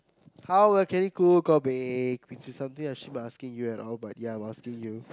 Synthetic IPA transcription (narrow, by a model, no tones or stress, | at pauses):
hawwɛkɛ̃nikuɡɔbɛkwit͡ʃisːãmt̪ĩŋat͡ʃlimaaskɪ̃ŋjuɛtɔlbat̚jaãj̃maskĩŋju